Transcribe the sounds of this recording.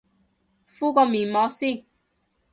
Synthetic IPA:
fuː˥kɔː˧miː˨˩nmɔː˨˥siː˥˩n

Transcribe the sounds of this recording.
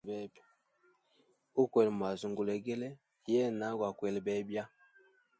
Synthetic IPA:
bɛ˦b | u˦kwɛ˨lma˨zu˨ŋɡu˨lɛ˨ɡe˦le˦ | jɛ˦na˨˦ɡwa˨kwɛ˨lbɛ˨˦bja˦

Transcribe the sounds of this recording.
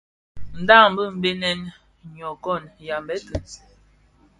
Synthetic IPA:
n̩˨da˦˨ŋm̩˨bə˦m̩˦be˦nɛ˦n | ɲɔ˨kɔ˦˨nja˨mbɛ˦tə˨

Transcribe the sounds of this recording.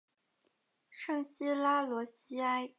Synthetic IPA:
ʂɤ˥˧ŋɕi˥la˥lwɔ˧˥ɕi˥a˥ɪ

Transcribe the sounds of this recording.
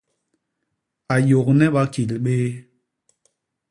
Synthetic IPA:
a˨jo˨k̚nɛ˦ɓa˦ki˨lɓe˦

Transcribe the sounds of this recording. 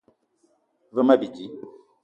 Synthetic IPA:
və˦ma˦bi˨d͡ʒi˨˦

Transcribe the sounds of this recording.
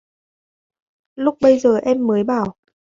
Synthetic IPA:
lʊ˦˥k͡p̚ɓə˧jzəː˨˩ʔɛ˧mːəː˨˦jɓaː˧˩w

